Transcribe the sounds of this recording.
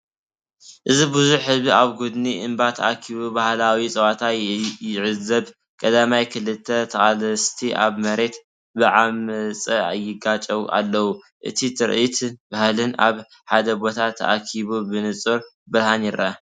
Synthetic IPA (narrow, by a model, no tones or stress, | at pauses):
ʔɨzibɨzuħhɨzbiaβɡud̪niʔɨmbat̪ʰɐʔakʰiβubahlawisʼɐwat̪ʰajɪʕɨzɐβ | kʼɐd̪amajkʰɨlɨt̪ʰːɐt̪ʰɐχʼalɐst̪ʰiʔa̰βmɐɾe̞t̪ | bɨʕamɨt͡sʼɐa̰jːɪɡat͡ʃʼɐwuʔa̰lːɐwu | ʔɨ̰t̪ʰit̪ʰɨɾʔit̪bahlɨna̰β | ħad̪ɐbo̞t̪ʰat̪ʰːɐ̰ʔakʰiβubɨnɨt͡sʼɨɾ | bɨɾhanɪɾʔɐ